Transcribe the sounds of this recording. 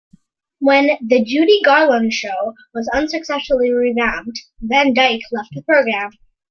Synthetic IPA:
wɨ̃nðɨd͡ʒʉɾiɡɑɹlə̃nʃoʊ | wʌzʌ̃nsɨksɛsfl̩ˠiɹivæ̃md | ðɨ̃ndaɪkʰlɛft̪̚ðəpʰɹ̥oʊɡɹæ̃m

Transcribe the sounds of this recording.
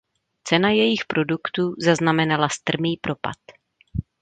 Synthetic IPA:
t͡sɛnajɛjɪxpɾo̞dukt̪uːzaznamɛnalast̪r̩miːpɾo̞pa̰t̪

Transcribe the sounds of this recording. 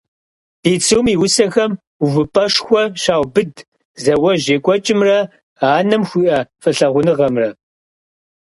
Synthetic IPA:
b̥iːt͡sʰɨwmiːwʊsɐxɐm | uvɨpʼɐʂxʷɔɕaːwbɨd | zɐwɐʑeːkʷʼɔt͡ʃʼɪmrɐ | aːnɨmxʷiʔɐfɨɬɐʁʷʊnɨʁɐmrɐ

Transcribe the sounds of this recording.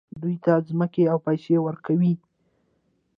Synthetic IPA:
d̪ujt̪azməkeawpajʃewəɾkawi

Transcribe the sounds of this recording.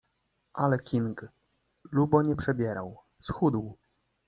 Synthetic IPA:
ʔalɛkʲiŋɡ | lubɔɲɛpʂɛbʲjɛɾaw | sxud̪w

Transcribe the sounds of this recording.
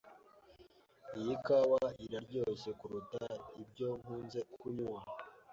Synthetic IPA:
ijikawaiɾaɾɟo̞se̞kuɾutaib̚ɟo̞ŋhuːnze̞kuɲwa

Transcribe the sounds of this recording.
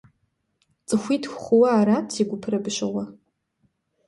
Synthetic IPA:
t͡sʼɨxʷitʰxʷχʷʊwaːɾatʰiɡʷʊpʰrabʃʷawa

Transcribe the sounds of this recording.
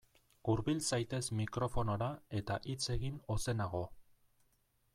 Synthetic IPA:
uɾβilsajt̪e̞zmikɾo̞fo̞no̞ɾae̞t̪aʔit͡se̞ɣino̞se̞naɣ̞o̞

